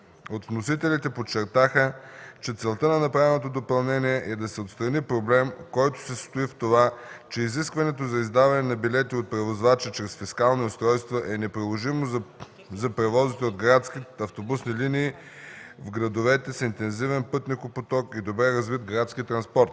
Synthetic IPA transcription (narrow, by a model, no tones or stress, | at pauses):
ot̪vnosit̪ɛlit̪ɛpot͡ʃːɛɾt̪axət͡ʃɛt̪sɛlˠt̪ənɐnɐpɾavɛnot̪od̪opɐlˠnɛniɛʔɛd̪ɐsɛot̪st̪ɾɐnipɾoblɛmkɔjt̪o̥sɛst̪oift̪ovat͡ʃɛiziskvɐnɛt̪ozɐizd̪avɐnɛnɐbilɛt̪iot̪̚pɾɛvozvat͡ʃɛt͡ʃɾɛsfiskalˠniʊst̪ɾɔjst̪voʔɛnɛpɾilˠoʒimoz | zɐpɾɛvɔzit̪ɛod̪ɡɾat̪skiɐft̪obusniliniː | vɡɾɐd̪ovɛt̪ɛsint̪ɛnzivɛnpɤt̪nʲikopot̪ɔkid̪obɾɛɾɐzvit̪ɡɾat̪skʲit̪ɾɐnspɔɾt̪